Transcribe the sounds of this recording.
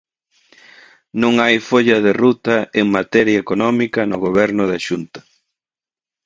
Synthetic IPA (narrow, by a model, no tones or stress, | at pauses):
nõŋajfoʎɐðerut̪ɐeŋmat̪ɛɾjɐekonɔmikɐnʊɣoβɛɾnʊðaʃunt̪ɐ̥